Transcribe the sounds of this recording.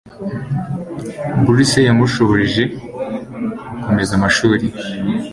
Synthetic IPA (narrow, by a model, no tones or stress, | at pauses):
buɾisejamuʃoβoʒiʒe̞ | ako̞me̞zamaʃuːɾi